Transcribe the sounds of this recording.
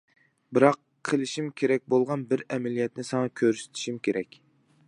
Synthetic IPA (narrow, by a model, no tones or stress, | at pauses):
bɪɾɑqʰːəlˠɪʃimkʲʰeɾɛk̚ʲbolˠʁɑnbɪɾɛmɛlijɛt̪nɪsɑŋɑkʲʰøɾsɪ̥t̪ʰi̥ʃimkʲeɾɛkʲ